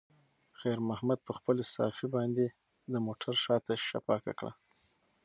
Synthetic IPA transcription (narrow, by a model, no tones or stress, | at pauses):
xajɾmahmad̪̚pəxpəlesɑ̰febɑnd̪e | d̪əmoʈʰaɾʃɑt̪aʃa̰pɑka̰kɽa̰